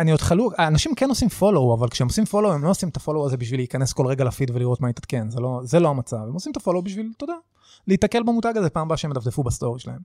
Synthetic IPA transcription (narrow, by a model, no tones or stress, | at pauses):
aniod̪χaluaːnaʃimke̞no̞simfo̞lo̞wavalkʃeemosimfo̞lowemlo̞osimt̪afo̞lowaze̞biʃvileikane̞sko̞lʁe̞ɡalafid̪veliʁo̞t̪mait̪at̪kenzelo̞zelo̞amat͡savemo̞simet̪afo̞lowbiʃvilt̪o̞d̪a | leit̪ake̞lbamutaɡazepaːmbaʃeemd̪afdefubast̪o̞ʁiʃela̰e̞m